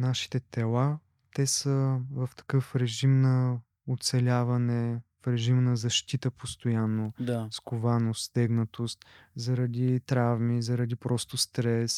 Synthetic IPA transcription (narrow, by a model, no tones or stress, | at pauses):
naʃi̥t̪ɛt̪ɛlˠa | t̪ɛsəvɐft̪ɐ̥kɤfɾɛʒimnɐ | ot̪sɛlʲavɐnɛfɾɛʒimnɐzɐʃt̪it̪əpost̪ojanːod̪askʊvanost̪t̪ɛɡnət̪ost̪zɐɾɐd̪it̪ɾavmizɐɾɐd̪ipɾɔst̪ost̪ɾɛs